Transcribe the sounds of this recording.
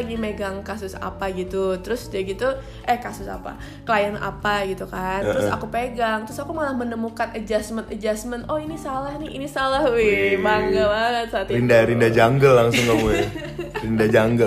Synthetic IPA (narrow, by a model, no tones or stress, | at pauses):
ɡimeɡaŋkasʊsa̰paɡit̪ut̪əɾʊsd͡ʒaɡit̪u | ʔɛhkasʊsa̰pa̰ | kəlajanʔa̰paɡit̪ukantəɾʊʊsa̰kupeɡaŋt̪əɾʊsakumalahmənəmukanʔəd͡ʒasmənəd͡ʒasmənɔinisalahniḭnisalahwɛbaŋɡabaŋət̪sat̪ɾindaɾindad͡ʒaŋɡəlːaŋsʊŋkamuja | rindad͡ʒaŋɡə